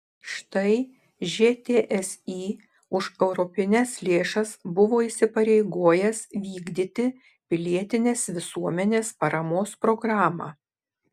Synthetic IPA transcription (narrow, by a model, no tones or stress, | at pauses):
ʃt̪ɐɪ | ʒʲeːt̪ʲeːʔɛsiː | ʊʃɛʊɾɔpʲɪnʲɛslʲeːʃɐsbʊʋoːiːsʲɪpɐɾʲɛɪɡoːjɛsʋʲiːɡd̪ʲɪt̪ʲɪ | pʲɪlʲiɛt̪ʲɪnʲeːsʋʲɪsuɔmʲɛnʲeːspɐɾɐmoːspɾɔɡɾɑːmɑ̰ː